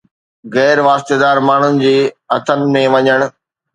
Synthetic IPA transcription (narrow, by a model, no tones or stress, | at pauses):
ɣɛːɾʋaːst̪ed̪aːɾmaːɳ̤ʊnɪ̆d͡ʑiːɐt̪ʰənɪ̆mẽʋɐɲəɽ̃ʊ̆